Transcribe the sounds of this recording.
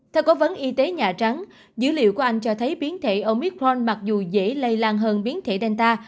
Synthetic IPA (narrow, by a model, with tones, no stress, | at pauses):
t̪ʰɛ˧wko˨˦və˨˦nʔi˧t̪e˨˦ɲa̰ː˧˨˩t͡ɕa˨˦ŋ | zɨ̰˧˥lḭ˧˨əwku˧˩əʔa˧jŋ̟t͡ɕɔ˧t̪ʰə˨˦jɓi˨˦ənt̪ʰḛ˧˨ʔo˧mi˦˥kɾɔ˧nma˨˩k̚zu˨˩zḛ˧˥lə˧jlaː˧ŋɦəː˧nɓi˨˦ənt̪ʰḛ˧˨ɗɛ˧nt̪aː˧